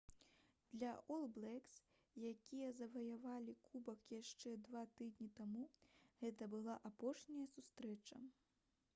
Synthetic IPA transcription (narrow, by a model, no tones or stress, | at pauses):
d̪̥lʲɐʔɔlˠblˠɛks | jakʲijɐzɐvɐjavalʲikʰubɐkjaʂt͡ʂɛd̪vat̪ɨd̪ʲnʲit̪amuɣɛt̪ɐbɨlˠaʔapɔʂnʲɐjɐsust̪ɾɛt͡ʂɐ̰